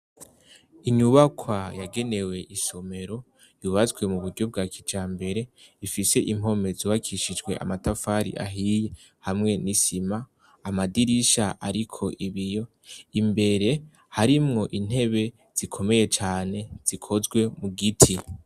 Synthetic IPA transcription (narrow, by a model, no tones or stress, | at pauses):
iɲuβakʰwajaɡe̞ne̞we̞ʔiʃo̞me̞ɾo̞ | juβazɡwe̞muβuɾɟo̞b̚ɡakʰid͡ʒaːmbe̞ɾe̞ifise̞ʔim̥o̞me̞zuwakʰiʃid͡ʒɡwe̞̰ʔa̰matafaɾḭʔa̰ɦije̞ | hamŋe̞nisimaː | madiɾiʃaʔaɾikʰo̞ʔiβijo̞ | imbe̞ɾe̞ | haɾimŋo̞ʔin̥he̞βe̞ | z̥ikʰo̞me̞je̞t͡ʃaːne̞z̥ikʰo̞zɡwe̞muɡitʰi